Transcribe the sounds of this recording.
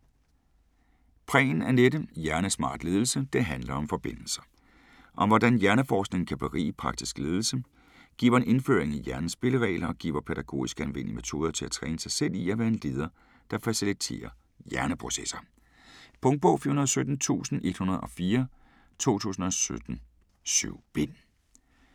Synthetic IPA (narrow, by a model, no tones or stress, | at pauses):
pʰʁɛ̰ːn̩æɐnedəjæɐnəsmɑ̰̈ːd̥le̝ːð̞ˠl̩səd̥e̝ɦænlɐɒ̽mfɒ̽b̥e̝n̰l̩sɐ̥ | ʔɒ̽ʋɒdænjæɐnəfɒːsɡ̥ne̝ŋn̩kʰæb̥eʁḭːpʰʁɑ̈ɡ̥d̥isɡ̥le̝ːð̞ˠl̩sə | ɡ̥ḭːʋɐe̝ne̝nfø̰ːɐeŋæjæɐnəsb̥e̝ləʁɛ̰ːɪlʔɐɒɡ̥ḭːʊɐpʰeɾ̥æɡ̥o̝̰ːisɡ̥əænʋen̰ime̝t͡sʰo̝ːð̞ˠɐt͡sʰe̝æt͡sʰʁɛːnəsɑ̈ɪsel̰iæʋæɐe̝nle̝ːð̞ˠɐ | d̥ɑ̈fæsilit͡sʰe̝̰ːɐ | jæɐnəpʰʁo̝sesɐ | pʰɔ̽ŋd̚b̥ɔ̽ʊfiɐunɐðˠsød̥n̩t͡sʰṵːsn̩e̝d̥hunɐðˠɒ̽fiːɐ | t͡sʰo̝̰ːt͡sʰṵːsn̩ɒ̽sød̥n̩ | sy̰ʊ̰b̥en